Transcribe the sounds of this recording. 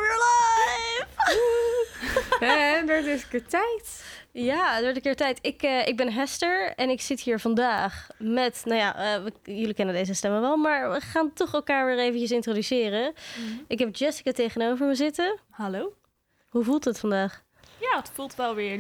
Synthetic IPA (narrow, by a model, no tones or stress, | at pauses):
əla | f | ɦɛdɔtɪsəkɪːɹtɛjtjaːədɔɹtəkɪːɹtɛjtɪkəɪɡ̚bɛnɦɛstəɹɛnɪksɪtɦiːɹvɑndaːχmɛtnawja̰əʋəjʏlikɛnəndejzəstɛməʋɛlˠmaːɹʋəχaːntɔχɛlˠkaːɹʋɪːɹejvəncəs̬ɪntrodysɪːrəɪkɦɛp̚d͡ʒɛsi̥katejχənowvəɹməzɪtəhalow | ɦuvulˠtətfɑndaːχ | jaːətfulˠtʋɛlˠʋɪː